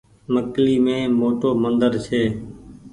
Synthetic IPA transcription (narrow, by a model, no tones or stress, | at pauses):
məkliːmẽːmoːʈoːmənd̪əɾt͡ʃʰeː